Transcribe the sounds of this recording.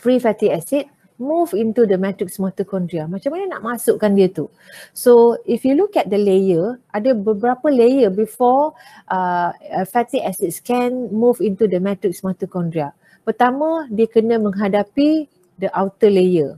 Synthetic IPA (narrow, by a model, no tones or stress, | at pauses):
fɾifɛt̪iɛsit̚ | muvĩnt̪udəmɛtɾiksmɔt̪əkɔ̃ndɾiamãt͡ʃãmanəna̰ʔmasʊʔkandiət̪u | soifjulukɛt̚dəlejəʔadəbəbəɾapəlejəbifɔ | ʔəfɛt̪iʔɛsit̚skɛ̃nmuvĩnt̪udəmɛ̃tɾik̚smɔt̪əkɔ̃ndɾia | pərt̪amə̃diəkənə̃mə̃ŋɦadapi | dəʔawt̪əlejə